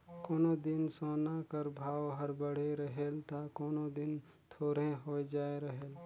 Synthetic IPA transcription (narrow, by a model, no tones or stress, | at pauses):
koːnod̪ɪnsoːnakəɾbʱaːʋɦəɾbəɽ̤eɾɐɦelt̪akoːnod̪ɪn | t̪ʰoːɾẽɦoed͡ʒaːeɾɐɦeːl